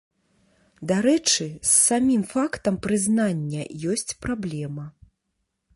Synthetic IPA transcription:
d̪aɾɛt͡ʂɨsːamʲimfakt̪ɐmpɾɨznanʲːɐjɔsʲt͡sʲpɾablʲɛmɐ

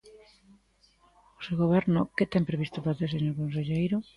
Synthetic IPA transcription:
osewɣoβ̞ɛɾnʊkɪt̪ɛmpɾeβist̪opɾaθeseɲoɾkons̬eʎejɾʊ

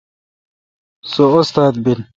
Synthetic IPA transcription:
soost̪aːd̪̚bin

